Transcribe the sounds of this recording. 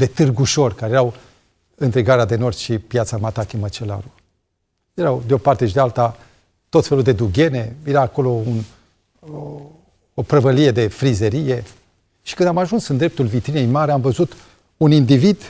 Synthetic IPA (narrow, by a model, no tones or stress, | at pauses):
d̪e̞t̪ɨrɡuʃo̞rkaɾejeɾaw | ɨnt̪ɾeɡaɾead̪e̞no̞rʃipjat̪samat̪akʲimət͡ʃela̰ɾu | jeɾawd̪eo̞part̪e̞ʃid̪ealt̪a | t̪o̞t̪fe̞luld̪e̞d̪uɡʲe̞ne̞jeɾaːko̞lo̞un | opɾəvəlije̞d̪e̞fɾizeɾije̞ | ʃikɨnd̪amaʒunsɨnd̪ɾe̞p̚t̪ulvit̪ɾinejmaɾeamvəzut̪ | unind̪ivid̪